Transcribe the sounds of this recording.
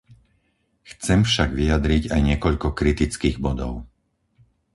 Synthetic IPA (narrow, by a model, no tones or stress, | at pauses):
xt͡sɛmfʃaɡʋiad̪ɾiɟajɲɪɛkɔʎkɔkɾit̪it͡skiːɣbɔd̪ɔ̰ʊ